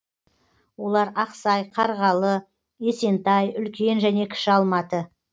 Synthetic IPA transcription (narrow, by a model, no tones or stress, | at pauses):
wo̞lˠɑɾɑqsɑjqʰɑɾʁɑlˠə | e̞se̞nt̪ɑjʏlkʲe̞nʒæne̞kʲʰɪ̥ʃɪɑlˠmɑt̪ə